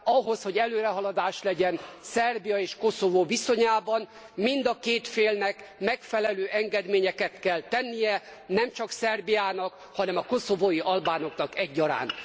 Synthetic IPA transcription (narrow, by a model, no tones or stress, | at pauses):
ɒɦo̞sho̞ɟɛløːɾɛɦɒlɒd̪aːʃlɛɟɛnsɛrbijɒeːʃko̞sovoːviso̞ɲaːbɒn | mind̪ɒkeːt̪feːlnɛkmɛkfɛlɛløːʔɛŋɡɛd̪meːɲɛkɛt̪kɛlt̪ɛnːijɛnɛmt͡ʃɒksɛrbijaːnɒk | hɒnɛmɒko̞so̞voːjiʔɒlbaːno̞knɒkɛɟːɒɾa̰ːn